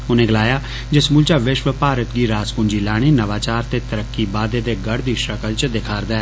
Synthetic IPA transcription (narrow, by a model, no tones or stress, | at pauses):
ʊnẽːɡəlaːjaː | d͡ʒɪsmʊːlt͡ʃaːʋɪʃʋəpaːɾət̪ɡiːɾaːskʊnd͡ʒiːlaːɽ̃iːnəʋaːt͡ʃaːɾt̪eːt̪əɾəkːiːbaːd̪eːd̪eːɡəɽd̪iːʃəkəlt͡ʃd̪ɪkʰaːɾd̪aɛː